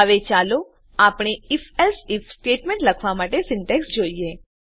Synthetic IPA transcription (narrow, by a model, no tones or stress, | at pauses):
əʋet͡ʃalo | apɽ̃eɪfɛlsɪfsʈeʈmẽɳʈləkʰʋamaʈesɪɳʈeksd͡ʒoie